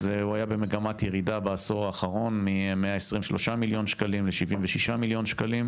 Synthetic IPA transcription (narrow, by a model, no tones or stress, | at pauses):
zeuajabe̞meɡamat̪jeʁidabaːsoʁaːχaʁo̞nmimeaesʁimveʃlo̞ʃamiljo̞nʃkalimleʃivimveʃiʃamiljo̞nʃkalim